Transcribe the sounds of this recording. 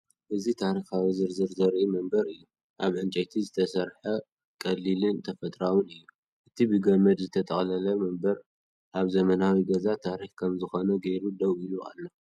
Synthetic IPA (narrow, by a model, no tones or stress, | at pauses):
ʔɨzit̪ʰaɾixawizɨɾzɨɾzɐɾʔimɐmbɐɾɨjːu | ʔaβʕɨnt͡ʃʼɐjt̪ʰizɨt̪ʰɐsɐɾħɐ | kʼɐlːilɨnt̪ʰɐfɐt̪ʼɾawunɨjːu | ʔɨt̪ʰibɨɡɐmɐd̪zɨt̪ʰɐt̪ʼɐxʼlɐlɐmɐmbɐɾ | ʔaβzɐmɐnawiɡɐzat̪ʰaɾixkʰɐmzɨxo̞nɐɡejɾud̪ɐwʔiluʔa̰lːo